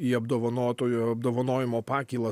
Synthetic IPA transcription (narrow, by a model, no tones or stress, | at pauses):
iːɐbd̪oːʋɐnoːt̪oːjuɐb̚d̪oːʋɐnoːjɪmoːpɑːkʲiːlˠɐ